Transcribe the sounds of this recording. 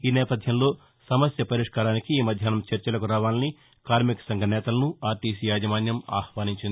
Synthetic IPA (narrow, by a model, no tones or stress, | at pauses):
iːnɛːpɐd̪ʱjɐmlo̞ː | sɐmɐsjɐpɐɾiʂkaːɾaːnikiːmɐd̪ʱjaːnɐmt͡ʃɐɾt͡ʃɐlɐkuɾaːʋaːlɐni | kaːɾmikɐ̥sɐŋɡʱɐnɛːt̪ɐlɐnuaːt̪iːsijaːd͡ʒɐmaːnjɐma̰ːhʋaːniɲt͡ʃind̪i